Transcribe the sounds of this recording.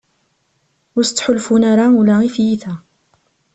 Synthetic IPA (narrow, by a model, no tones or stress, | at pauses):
ʊɾst͡sːħʊlfunaɾaulæifjiθæ